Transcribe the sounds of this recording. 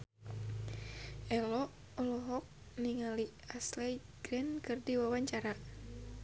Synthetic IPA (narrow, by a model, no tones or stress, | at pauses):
ʔɛlɔ | ɔlɔɦɔk̚ | niŋaliaslɛɡ̥ɾɛnkɨrdiwawaɲt͡ʃaɾa